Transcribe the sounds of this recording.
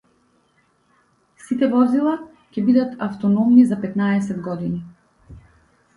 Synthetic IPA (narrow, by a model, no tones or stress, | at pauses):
sit̪ɛvɔzilˠa | cʲɛbid̪at̪aft̪ɔnɔmnizapɛt̪naɛsɛd̪ɡɔd̪ini